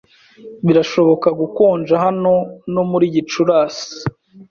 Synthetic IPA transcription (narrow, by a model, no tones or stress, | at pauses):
βiɾaʃo̞βo̞kaɡukoːnd͡ʒahano̞no̞muɾiːɟit͡ʃuɾaːsi̥